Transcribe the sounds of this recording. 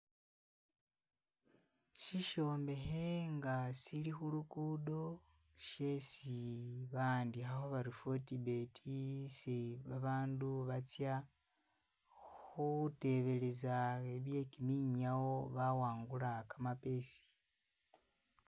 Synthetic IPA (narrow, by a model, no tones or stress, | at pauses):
ʃiʃo̞ːmbe̞xeŋɡasilixulukudo̞ | ʃesiβaːndixaxoβaɾifotibe̞tʰiseβaβaːnduβat͡sja | xute̞βe̞le̞zaeβje̞kimiːɲawo̞βawaːŋɡulakamape̞si̥